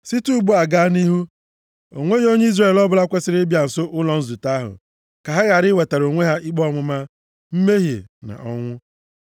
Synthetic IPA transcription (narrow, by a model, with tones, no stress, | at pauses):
si˦tu˦ɡ͡bu˦a˨ɡa˦ni˦ɦu˦ | o̰˨ŋʷe˦ɣo˦ɲe˦i˦zɾe˨lɔ˦bʊ˦la˦kʷe˦sɪ˦ɾɪ˦bja˨n̩˨so˦ʔʊ˦lɔ˨n̩˦zu˨ta˦ɦʊ̰˨ | ka˨ɦa˦ɣa˨ɾɪ˦we˨ta˨ɾo˨ŋʷe˦ɦa˦ʔi˦k͡pɔ˦ŋʷʊ˦ma˦ | m̩˦me˦ɦjḛ˨na̰˨ʔɔ˦ŋʷʊ˦